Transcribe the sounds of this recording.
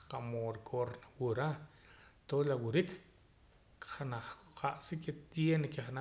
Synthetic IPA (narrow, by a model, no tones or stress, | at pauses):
qamoɾkʰʼoɾnwuɾa | t̪olawuɾik | χanaχqʰaʔsiket̪jenkeχana